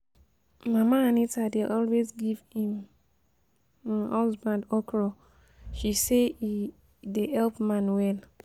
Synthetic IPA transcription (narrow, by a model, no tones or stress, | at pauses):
mãmãnĩtadeʔɔlwezɡivhĩm | ɔsbãndɔkʰɾɔ | ʃise | deʔɛlpmãnwɛl